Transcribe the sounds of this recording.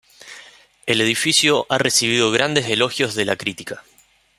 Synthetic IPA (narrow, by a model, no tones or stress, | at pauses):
e̞le̞ð̞ifisjo̞ʔare̞siβ̞iðo̞ɣɾand̪e̞se̞lo̞xjo̞zðe̞lakɾit̪i̥ka